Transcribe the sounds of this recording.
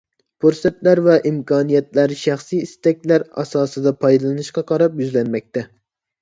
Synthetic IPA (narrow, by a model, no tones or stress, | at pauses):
pʰuɾsɛt̪læɾvɛʔimkʰɑːnijɛt̪læɾʃæχsijist̪ɛkʲlæɾɑ̰sɑːsɨd̪ɑpʰɑjd̪ɨlˠɨnɨʃqɑqʰɑɾɑpjyzlɛnmɛk̚ʲt̪ʰɛ